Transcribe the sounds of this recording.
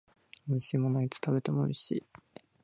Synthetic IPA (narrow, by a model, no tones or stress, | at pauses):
ɕiːmonoit͡sɨ̥t̪ʰabe̞t̪e̞mo̞ɯ̟ɾeɕḭː